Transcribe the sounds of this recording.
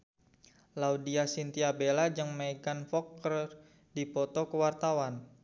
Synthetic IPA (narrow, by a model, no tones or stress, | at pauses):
laudiasint̪iabelad͡ʒəŋmaɡanfɔkːəər | dipɔt̪ɔkəwart̪awan